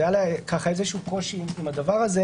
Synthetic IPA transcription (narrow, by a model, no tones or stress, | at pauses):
ajalakaχaezeʃuːko̞ʃiimad̪avaʁaze